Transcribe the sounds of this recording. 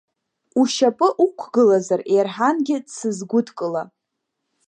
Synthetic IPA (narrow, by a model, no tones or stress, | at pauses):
uʃapʼɨʔukʷʰɡɨlazarejrħanɡʲɪdsɨzɡʷʊdʰkʼɨla